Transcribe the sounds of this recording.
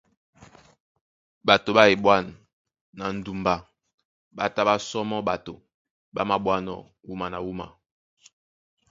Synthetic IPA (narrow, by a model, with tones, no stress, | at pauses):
ba˨to˨ba˦e˨ɓwa˦˨n | na˨n̩˦du˨mba˨ | ba˨ta˦ba˦sɔ˦mɔ˦ɓa˨to˨ | ba̰˦ma˨bwa˦nɔ̰˨ | wu˦ma˨na˨wu˦ma̰˨